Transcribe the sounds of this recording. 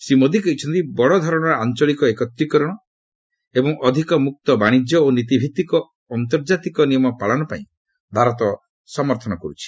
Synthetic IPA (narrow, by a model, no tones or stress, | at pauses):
semod̪ʱikɔit͡ʃʰɔnt̪ibɔɽɔd̪ʱɔɾɔɽ̃ɔɾɔant͡ʃɔɭikɔekɔt̪ɾikɔɾɔɽ̃ɔ | ebɔŋʔɔd̪ʱikɔmuk̚t̪ɔbaɽ̃id͡ʒjɔonit̪̬ibʱit̪ikɔː | nt̪̬ɔɾd͡ʒat̪ikɔnijɔmɔpaɭɔnɔpaĩ | bʱaɾɔt̪ɔ | sɔmɔɾt̪ʰɔnɔkɔɾut͡ʃʰi̥